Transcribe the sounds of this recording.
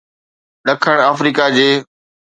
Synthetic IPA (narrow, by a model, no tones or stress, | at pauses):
ɗɐkʰəɽ̃aːfɾiːkad͡ʑeː